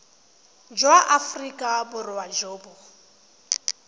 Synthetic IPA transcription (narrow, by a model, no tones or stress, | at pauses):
d͡ʒwaʔafrikʼabʊrɪwad͡ʒoːbʊ